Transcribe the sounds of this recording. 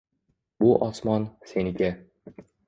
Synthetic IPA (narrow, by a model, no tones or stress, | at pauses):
bʊʔɒsmɒnse̞nɪɡʲa